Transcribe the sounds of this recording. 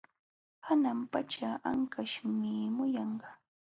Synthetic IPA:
hanampat͡ʃaʔa̰ŋkaʃmɪmʊjɑɴɢɑ

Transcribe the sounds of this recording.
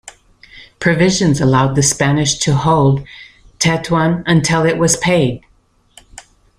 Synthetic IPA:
pʰɹ̥ɨvɪʒɨ̃nzəlaʊd̪̚ðɨspænɨʃtʰɨhoʊlˠd̚ | tʰɛtʰwʌ̃nɨ̃ntʰɪlˠɪʔ̚wʔʌz̥pʰeɪd̥̚

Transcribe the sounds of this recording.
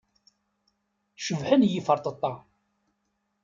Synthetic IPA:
ʃəvħənjifəɾˤt̪ˤət̪ˤːɑ

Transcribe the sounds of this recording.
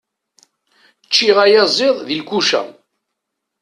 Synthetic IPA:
t͡ʃːiʁæjæzˤɪðˤðilkʷuʃæ̰m

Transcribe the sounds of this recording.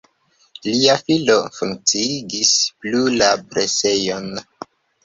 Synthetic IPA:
liafilofuŋk̚t͡siiɡisplulapɾese̞jo̞n

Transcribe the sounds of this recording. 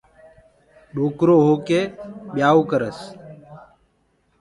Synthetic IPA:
ɗoːkɾoːɦoːkeːɓjaːoːkəɾəs

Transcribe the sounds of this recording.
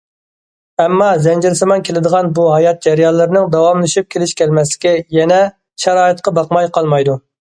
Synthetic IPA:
ɛmːɑzɛnd͡ʒɪɾsɨmɑnkʲʰelɪd̪əʁɑnbuɦɑjɑt̪̚d͡ʒɛɾjɑlˠːɨɾɨnɨŋd̪ɑwɑmlˠɨʃip̚kʲʰelɪʃkʲɛlmɛslɪ̥kʲɛjɛnɛ | ʃɛɾɑːɨt̪̚qɑbɑqmɑjqʰɑlˠmɑjd̪u

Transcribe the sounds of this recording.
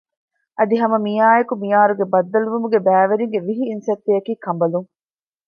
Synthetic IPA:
ʔɐd̪iɦɐmɐmijaːekumijaːɾuɡebɐd̪ːɐluʋumuɡebæːʋeɾiŋɡeʋiɦiːnsɐt̪ːejɐkiːkɐmbɐluŋ

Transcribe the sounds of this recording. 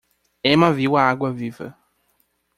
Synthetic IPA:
ɛmaviwaaɡwɐvivɐ̰

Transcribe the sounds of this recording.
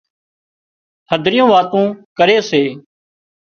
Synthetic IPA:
həd̪ʱɾɪjõːʋaːt̪ũːkəɾeːseː

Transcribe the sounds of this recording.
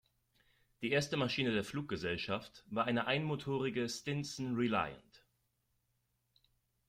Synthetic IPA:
d̥iːʔeːɐstəmaʃiːnədeːɐfluːk̚ɡ̥əzɛlʃaftv̥aːɐʔaɪnəʔaɪnmotʰoːʁ̞ɪɡəstɪnsn̩ʁila̰ɪə̰nt

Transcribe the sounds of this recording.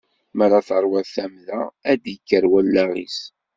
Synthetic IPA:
mæɾaθəɾˤwæθæmðææd̪jəkːəɾwælːæʁḭs

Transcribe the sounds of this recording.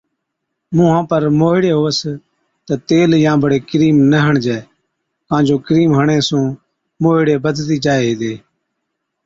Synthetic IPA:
mũːɦãːpəɾmoːɦɪɽeːɦoːəs | t̪ət̪eːljãːbəɽeːkɾiːmnəɦəɳd͡ʒɛː | kãːd͡ʒoːkɾiːmɦəɳeːsũː | moːɪɽeːbəd̪t̪iːd͡ʒaːeːɦeːd̪eː

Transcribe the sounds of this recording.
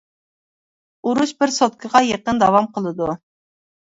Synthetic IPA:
uɾuʃbɪɾsot̪̚kʰəʁɑjeqənd̪ɑwɑmqʰəlˠɨd̪u

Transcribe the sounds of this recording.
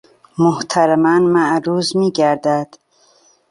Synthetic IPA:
moht̪ʰaɾamanmaʔɾuːzmiːɡæɾd̪æd̪̥

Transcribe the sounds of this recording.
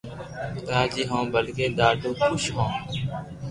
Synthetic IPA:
t̪aːd͡ʒiːɦõːbəlkeːd̪aːɖũːkʰʊʃɦõː

